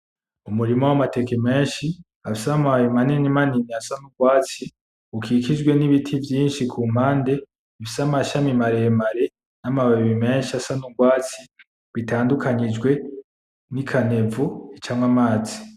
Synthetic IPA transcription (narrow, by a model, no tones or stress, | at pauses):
umuɾimowamate̞keme̞ːnʃi | afisamajemanenimaniniasanuɡwaːt͡si | ukʰikid͡ʒɡwe̞niβitʰivjiːnʃikʰuːm̥haːnde̞ | fisamaʃamimaɾemaɾe̞ | namaβaβiβime̞ːnʃiasanuɡwaːt͡si | βitaːndukʰaɲid͡ʒɡwe̞ | nikʰane̞vuit͡ʃaːmwamaːzi